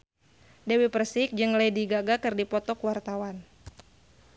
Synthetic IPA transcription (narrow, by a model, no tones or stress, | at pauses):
dɛwipərsɪk̚d͡ʒɨŋləjdiɡaɡakɨrdipɔt̪ɔkuwart̪awan